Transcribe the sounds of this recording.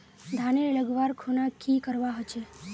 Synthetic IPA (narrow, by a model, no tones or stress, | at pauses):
d̪ʱaneləɡʋaɾkʰonakʰikəɾʋaɦət͡ʃʰe